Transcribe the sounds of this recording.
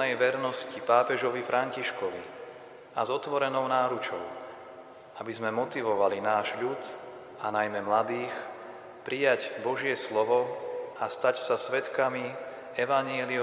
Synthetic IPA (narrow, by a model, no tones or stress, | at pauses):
ɛjʋɛɾnɔscipaːpɛʒɔʋifɾʔaɲciʃkɔʋi | azɔt̪ʋɔɾɛnɔʊnaːɾut͡ʃɔʊ | abizmɛmɔt̪iʋɔʋalinaːʒʎut̪ | anajmɛmlad̪iːx | pɾijaɟbɔʒɪɛslɔʋɔast̪acsasʋɛt̪kami | ɛʋaɲɪɛli